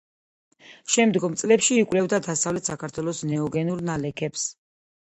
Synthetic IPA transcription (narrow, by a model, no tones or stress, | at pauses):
ʃɛmd̪ɡɔmt̪sʼlɛpʃiːkʼwlɛvd̪ad̪asavlɛt̪ʰsakʰaɾt̪ʰwɛlˠɔsnɛɔɡɛnuɾnalɛkʰɛps